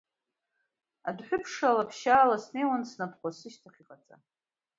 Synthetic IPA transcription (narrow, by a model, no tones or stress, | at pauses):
adħʷᶣʊpʰʂalapʰʃaːlasne̞jwansnapʰχʷasɨʃtʰaχʲiqʼat͡sʼa̰